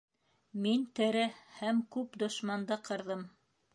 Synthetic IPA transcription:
mint̪ɘ̆ɾɘhæmkʉpd̪ŏʃmɑnd̪ɤqʰɤ̆ɾðɤm

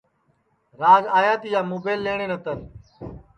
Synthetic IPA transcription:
ɾaːzaːjaːt̪iːjaːmoːbeːlːeːɳ̃ẽːnət̪ən

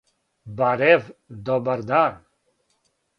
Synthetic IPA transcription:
baɾevd̪ɔbaɾd̪an

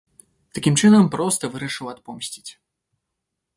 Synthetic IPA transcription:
t̪akʲimt͡ʂɨnɐmpɾɔst̪ɐvɨɾɐʂɨwat̪̚pɔmsʲt͡sʲi̥t͡sʲ

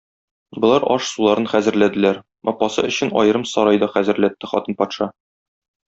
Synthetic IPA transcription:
bɤ̆lˠɑɾɒʃsulˠɑɾɤnχæzɘ̆ɾlæd̪ɘ̆læɾ | ɒpːɑsɤ̰ɵ̆ɕɘnɒ̰jɤ̆ɾɤmsɒɾɑjd̪ɒχæzɘ̆ɾlæt̪ːɘχɒt̪ɤnpɒt̪ʃɑ

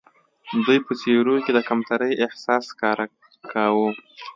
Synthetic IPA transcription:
d̪ujpət͡seɾuked̪əkamt̪aɾəjɪhsɑskɑɾ | kʰawu

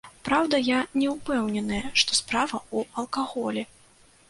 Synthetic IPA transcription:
pɾawd̪ɐjanʲɛwpɛwnʲɛnɨjɐʂt̪ɔspɾavɐuɐlˠkaɣɔlʲɛ

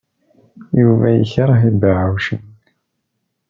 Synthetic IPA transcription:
juvæjə̰çɾˤəɦidaʕawʃin

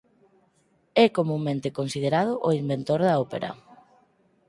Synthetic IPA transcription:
ɛkomũŋmẽnt̪ekonsið̞eɾað̞ʊʔoimbent̪oɾðɐɔpeɾɐ̰

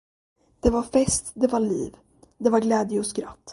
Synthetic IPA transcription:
d̪̥ɛvaɾfɛst̪d̪ɛvaɭḭːv | d̪ɛvaɾɡlɛːd̪jəɔskɾa̰t̪ː

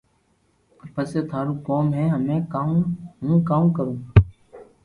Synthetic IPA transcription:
pəseːt̪ʰaːɾũkoːmɦɛ̃ːɦəmẽːkãːɦũːkaːũkəɾũː

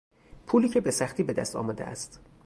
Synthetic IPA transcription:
pʰuːliːcʰe̞besæxt̪iːbe̞d̪æ̰st̪ʰɒ̰ːmɒːd̪eʔæ̰st̪

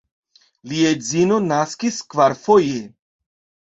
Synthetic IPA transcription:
liezino̞naskiskvaɾfoje

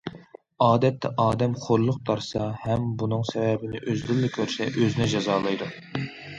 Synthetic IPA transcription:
ɑːd̪ɛt̪ʰːɛʔɑːd̪ɛmχoɾlˠʊqt̪ʰɑɾsɑhɛmbunɨŋsɛvɛbɪnɪʔøzlylːɪkʲʰøɾsɛʔøzɪnɛd͡ʒɑzɑːlˠɨjd̪u

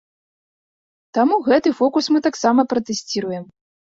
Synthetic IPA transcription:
t̪amuɣɛt̪ɨfɔkusmɨt̪aksamɐpɾɐt̪ɛsʲt͡sʲiɾujɛm

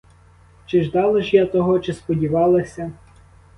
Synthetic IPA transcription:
t͡ʃɪʒd̪ɑlˠɐʒjat̪ɔɦɔt͡ʃɪspɔdʲiʋɑlˠɐsʲɐ

